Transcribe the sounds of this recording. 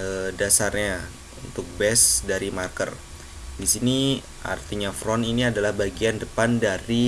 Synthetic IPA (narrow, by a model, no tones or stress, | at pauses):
ədasarɲa | unt̪ʊk̚bɛsdaɾimarkər | disini | ʔa̰rt̪iɲafɾɔniniadalahbaɡiandəpandaɾi